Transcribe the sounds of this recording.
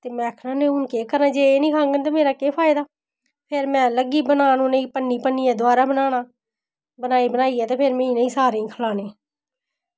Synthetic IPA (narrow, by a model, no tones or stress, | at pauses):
t̪eːmɛ̃ːkʰnãːnẽːʊnkeːkəɾnãːd͡ʒeːeːnĩːkʰãːŋɡənt̪aːmeːɾaːkeːpʰaːɪd̪aː | pʰeɾmɛ̃ːləɡiːbənaːnũːnəĩːpənːiːpənːiːɛ̃ːd̪ʊaːɾaːbənaːnaː | bənaːiːbənaːiːɛːt̪eːpʰeɾmẽːĩːnəĩːsaːɾẽːkʰəlaːneː